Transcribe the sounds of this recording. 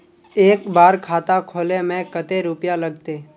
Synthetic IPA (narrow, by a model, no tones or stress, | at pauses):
eːkbaːɾkʰaːt̪akʰoːlemẽkət̪eɾʊpjaləɡt̪eː